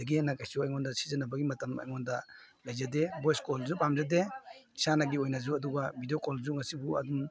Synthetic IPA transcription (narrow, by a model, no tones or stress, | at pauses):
daɡianakajsuajŋɔndasi̥zanabaɡimɐtama̰jŋɔnda | lajzadebɔjskɔlzupamzadeisanaɡiojnazuɐduɡabidijokɔlzuŋasibuɐ̰dum